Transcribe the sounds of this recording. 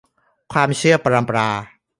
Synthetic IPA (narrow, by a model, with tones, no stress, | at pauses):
kʰwaː˧mt͡ɕʰɯ˥˩ɐpa˧ɾa˧mpɾaː˧